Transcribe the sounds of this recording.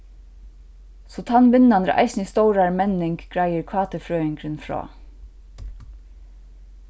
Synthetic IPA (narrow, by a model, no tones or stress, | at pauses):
sɔt̪ʰanʋɪnand̪əɾʔa̰ɪsnist̪owɾaɾmɛnɪŋkɡ̥ɾæɪəɾkʰʋɑːt̪əfɾœːɪŋkɾənfɹɑ̰ː